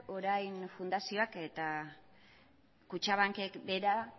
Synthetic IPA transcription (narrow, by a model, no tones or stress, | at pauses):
o̞ɾajnfund̪asio̞ake̞t̪a | kut͡ʃaβ̞aŋke̞kbe̞ɾa